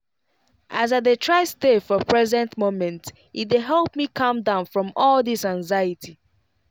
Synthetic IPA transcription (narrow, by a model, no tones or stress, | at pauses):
ʔazat̚ðetʰɹaɪsdefɔpʰɹɛzɛ̃ntmõmɛ̃nt | it̚deɦɛlˠp̚mikʰʌ̃mdãʊ̃nfɹɔ̃mɔlˠðɪsãŋzaɪətʰi